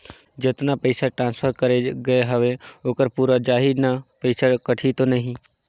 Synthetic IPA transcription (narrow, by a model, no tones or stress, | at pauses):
d͡ʒet̪napəɪsaʈɾãːnspʰəɾkəɾeɡɐeɦəʋeoːkəɾpuːɾad͡ʒaːɦid̪napəɪsakəʈʰit̪onəɦĩ